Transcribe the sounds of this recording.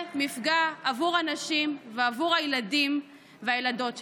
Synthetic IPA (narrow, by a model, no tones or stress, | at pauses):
mifɡaːvuʁhanaʃimveavuʁajladim | veajelado̞tʃ